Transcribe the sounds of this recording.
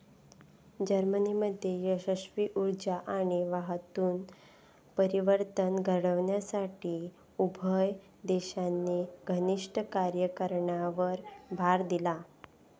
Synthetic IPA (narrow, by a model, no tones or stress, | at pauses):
d͡ʑəɾməniməd̪ʱːjejəɕəɕʋiʔuɾd͡ʑaʔaɽ̃iʋaɦt̪uːn | pəɾiʋəɾt̪ənɡʱəɽəʋɳjasaʈiː | ubʱəj | d̪eɕanːeɡʱəniʂʈəkaɾjəkəɾɳaʋəɾbʱaɾd̪ila